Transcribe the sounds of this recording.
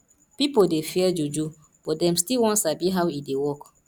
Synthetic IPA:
pipodefiɛd͡ʒud͡ʒu | b̥ɔt̚dɛ̃mstilwɔ̃nsabiɦawidewɔk

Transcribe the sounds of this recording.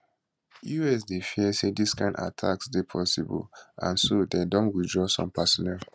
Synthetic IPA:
juɛs̬defiɛsediskãɪ̃nda̰tʰa̰ksdepʰɔsibɔ̰lʔã̰nsodedɔ̃ntwidɹɔsɔ̰̃mpʰasɔnɛl

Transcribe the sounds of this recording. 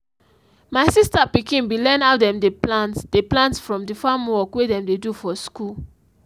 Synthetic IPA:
maɪsistapikĩnwilɛ̃naʊdɛ̃mdeplãntd̥eplãntfɹɔ̃mdifamwɔkwedɛ̃mdedufɔskul

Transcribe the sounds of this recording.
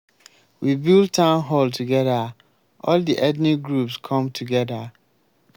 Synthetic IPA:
wibilˠd̚tʰãʊnɦɔltʰuɡɛda | ʔɔldiʔɛdnĩɡɹupskʰɔ̃mtʰuɡɛda

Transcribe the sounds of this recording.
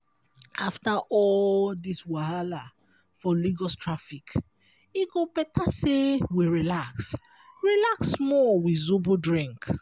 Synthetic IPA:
aftaʔɔldiswahala | fɔliɡɔstʰɹafik | iɡobɛtʰasewiɹilaks | ɹilaksmɔwizubudɹĩŋk

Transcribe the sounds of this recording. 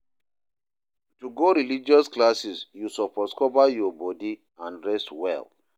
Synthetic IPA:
tuɡoɾilid͡ʒɔsklasisjusɔpɔskɔvajɔbɔdi | ãnɹɛstwɛ̰l

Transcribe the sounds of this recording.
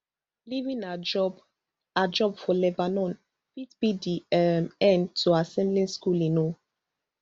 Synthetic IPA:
livĩnad͡ʒɔb | ad͡ʒɔbfɔlɛbanɔ̃n | fitbidiɛmɛ̃ntʰuasɛ̃mblĩnskulĩno

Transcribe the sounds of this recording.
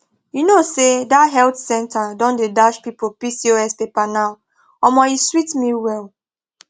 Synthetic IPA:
junosedaɦɛltsɛ̃ntʰadɔ̃ndedaʃpipopisioɛspepanaʊ | ɔmɔiswitmiwɛl

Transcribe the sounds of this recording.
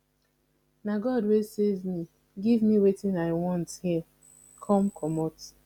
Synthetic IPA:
naɡɔdwesezmi | ɡivmiwetĩnaɪwɔ̃nthi | kʰɔ̃mkʰɔmɔt

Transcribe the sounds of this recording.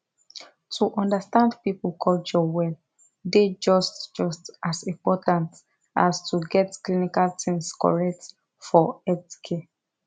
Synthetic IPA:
tʰuʔɔ̃ndəstãndpipulkʰɔlt͡ʃɔwɛl | ded͡ʒɔstd͡ʒɔstasĩmpɔtãnt | astʰuɡɛtklinikaltĩŋskɔ̰ɹɛk̚t | fɔɛtkʰe

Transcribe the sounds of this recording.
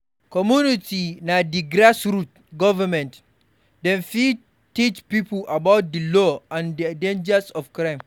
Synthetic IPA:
kɔmjunitinadiɡɾasɾut̚ | ɡɔvamɛ̃nt | dɛ̃nfi | tit͡ʃpipulʔabawt̚dəlɔãndidẽnd͡ʒasɔfkɾãɪm

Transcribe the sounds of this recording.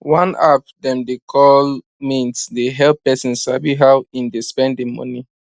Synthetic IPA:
wãna̰pdɛ̃mdekʰɔl | mĩnsdeɦɛlpɛsĩnsabiɦawĩndispɛ̃ndĩŋmɔ̰ni

